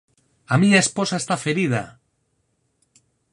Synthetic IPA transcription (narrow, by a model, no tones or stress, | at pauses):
amĩɲaesposaest̪afeɾið̞a̰